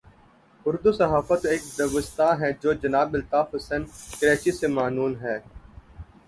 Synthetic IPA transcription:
ʊɾd̪usəɦaːfət̪eːk̚d̪ɐʋəst̪ãːɦɛd͡ʒoːd͡ʒənaːbɪlt̪aːfəsənkəɾeːt͡ʃisemaːnuːnɦɛː

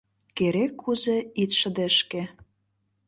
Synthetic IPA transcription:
keɾekʰːuzeit̪ʃə̆d̪eʃke

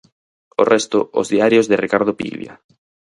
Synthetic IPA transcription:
orɛst̪oo̰zðiaɾjozðɪrikaɾð̞opḭβja̰

